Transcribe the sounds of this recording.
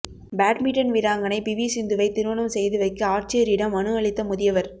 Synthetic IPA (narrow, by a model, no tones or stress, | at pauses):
baːʈmiʈːɐnʋɪɾaːŋɡɐnɐɪpɪʋisɪnd̪ɯʋɐɪt̪ːɪɾɯʋɐɳɐmsɛjðɯʋɐɪkːɐaːɾt͡ʃɐjɐɾɪɽɐmɐnɯɐɭɪt̪ːɐmʊðɪjɐʋɐɾ